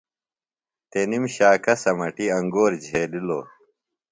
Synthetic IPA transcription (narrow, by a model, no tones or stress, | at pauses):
t̪enimɕaːkɐsɐmɐʈiɐŋɡoːɾd͡ʑʱeːlilo̰ː